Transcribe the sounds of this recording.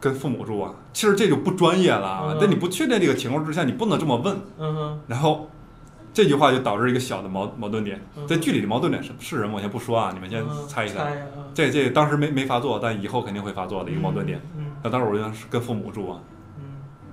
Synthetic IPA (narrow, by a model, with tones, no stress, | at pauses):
kə˥nfu˥˩mṵ˨˩ʈ͡ʂu˥˩ɐ̰˩t͡ɕʰi˧˥ʂɻ̩˧˥ʈ͡ʂt͡ɕo˥˧ʊpu˥˩ʈ͡ʂwa˥njɛ˥˩lə̰˩˧˩t̪a˥˩ni˨˩p̬t͡ɕʰɛ˥˧t̪̬jɛ˥˧ʈ͡ʂɤ˥˩ə˩t͡ɕʰi˧˥ŋkʰwɔ˥˧ʈ͡ʂ̩˥ɕja˥˩ŋni˨˩p̪ə˧ʈ͡ʂɤ˥˩mə˩wə˥˩nɻa˧˥nxo˥˧ʊ | ʈ͡ʂɤ˥˧t͡ɕy˥˧xwa˥˧t͡ɕjo˥˩ʊt̪ɑ˨˩ʊʈ͡ʂɻ̩˥˩˧i˧˥ɡə˧ɕjɑ˨˩ʊd̪ə˦mɑ˧˥ʊmɑ˧˥ʊt̪wə˥˩nt̪jɛ˨˩˦nt͡sa˥˧ɪt͡ɕy˥˩li˨˩d̪ə˦m˧˥˩nt̪jɛ˨˩ʂə˧˥˧ʂɻ̩˥˩ɻə˧˥wɕjɛ˧˥npu˥˩ʂwɔ˥ɐ˨ni˨˩mə˦nɕjɛ˥nt͡sʰa˥ɪi˧˩a̰˧˥t͡ɕa˥˧t͡ɕɛ˥˩t̪ɑ˥ŋʂɻ̩˧˥me˧˥ɪme˧˥ɪfa˧˥t͡swɔ˥˩t̪a˥˩n˩i˨˩xo˥˧kʰə˨˩nt̪i˥˧xwe˥˩ɪfa˧˥t͡swɔ˥˩d̪ə˩i˧˥ɡə˧mɑ˧ʊt̪ə˥˩nt̪jɛ̰˨˩˦n˧˥˩t̪ɑ˥ŋʂɻ̩˧˩˨ʂ̩˥˩kə˥nfu˥˩mṵ˨˩ʈ͡ʂu˥˩ɐ̰˩